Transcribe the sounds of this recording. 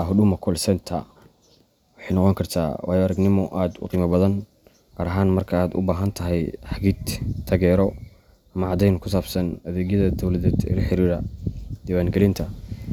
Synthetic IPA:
ɦʊɖʊmɐkʰɔlsɛnt̪ʰɐ̰ | wɑħɑjnɔqɔŋkʰɐrt̪ʰa̰ːwɑ̰ːjɔɐɾɐɡnɪmɔʔaːd̪ʊ̰qiːmɐbɐðɐn | qɑɾɐɦaːnmɐrkʰɐaːd̪ʊ̰baːɦɐnt̪ʰɐɦɛjħɑɡiːd̪t̪ʰːɐɣɛːɾɔ | ɐmɐʕɑd̪ɛjnkʰʊsaːbsɐnɐðɛːɡjɐðɐd̪ɔwlɐðɛːd̪ɪ̰lɐħɪɾiːɾɐd̪̥iːwaːnɡɛlɪnt̪ʰɐ

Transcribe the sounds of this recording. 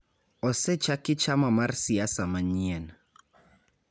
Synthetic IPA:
ɔsɛt͡ʃakɪt͡ʃamamarsiasamaɲiɛn

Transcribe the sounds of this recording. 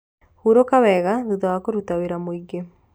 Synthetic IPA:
huɾokaβɛɣaðuðawakoɾutaweɾamwiɡe

